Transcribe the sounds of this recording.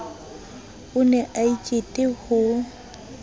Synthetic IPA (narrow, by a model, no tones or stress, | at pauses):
ʊnɛʔait͡ʃʼetʼɪhʊ